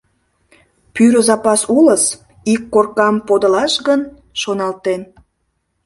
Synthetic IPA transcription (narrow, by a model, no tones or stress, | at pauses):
pyɾəzɑpɑsuləs | ikːorkɑmpod̪əlɑʃɡən | ʃonɑlt̪en